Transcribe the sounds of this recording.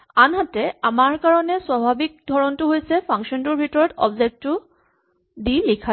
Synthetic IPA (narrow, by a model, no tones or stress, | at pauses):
anɦatɛamaɹkaɹɔnɛswabʱabik̚dʱɔɹɔntʊɦojsɛpʰaŋʃɔntʊɹbʱitɔɹɔtɔ̰bzek̚tːʊ | dilikʰa